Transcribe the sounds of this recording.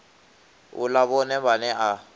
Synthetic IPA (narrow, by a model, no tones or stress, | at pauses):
ṵlaβɔnɛβanɛʔa